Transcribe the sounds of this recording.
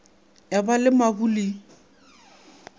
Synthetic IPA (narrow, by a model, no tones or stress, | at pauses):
jabalɪmabuli